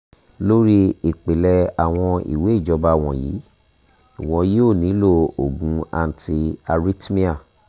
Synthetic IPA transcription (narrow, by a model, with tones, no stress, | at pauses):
lo˦ɾi˦i˨k͡pe˨lɛ˧a˨w̃ɔ̃˧ḭ˨we˨˦i˦˨d͡ʒɔ˨˧ba˦˨w̃ɔ̃˧˨jḭ˨˦ | i˨w̃ɔ̃˨˧˦jo˦˨nĩ˨˦lo˦˨o˨ɡũ˨˦a̰˧n̩˨ti˧a˧ɾi˦tmĩ˦a˦˨